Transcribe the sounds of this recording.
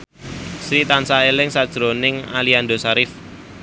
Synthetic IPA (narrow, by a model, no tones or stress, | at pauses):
sɾit̪ansaelɪŋsad̥ʒ̥ɾonɪŋalianɖosaɾɪf